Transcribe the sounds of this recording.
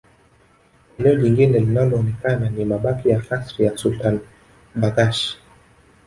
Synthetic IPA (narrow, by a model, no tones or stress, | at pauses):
ɛnɛɔʄiŋɡinɛlinalɔːnɛkananimaɓakijakasɾijasultan | ɓaɡaʃ